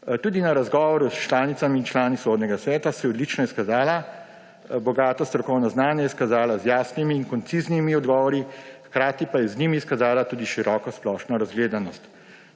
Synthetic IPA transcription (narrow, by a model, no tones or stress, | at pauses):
t̪uːd̪inaɾazɡɔːʋɔɾust͡ʃlaːnit̪samiːnt͡ʃlaːnisoːd̪nɛɡasʋɛːt̪asɛjɛɔd̪lit͡ʃnɔiskazaːla | bɔɡaːt̪ɔst̪ɾɔkɔwnɔznaːnjɛjɛskazaːlazjaːsnimiːnkɔnt̪siznimiɔd̪ɡɔːʋɔɾixkɾaːt̪ipajɛznimiskazaːlat̪uːd̪iʃiɾɔːkɔsplɔːʃnɔɾazɡleːd̪anɔst̪